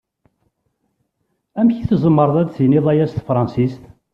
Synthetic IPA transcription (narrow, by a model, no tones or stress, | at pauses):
æmçiθzˤəmːəɾˤðˤæd̪θjniðˤæjæst̪fɾˤɑnsist̪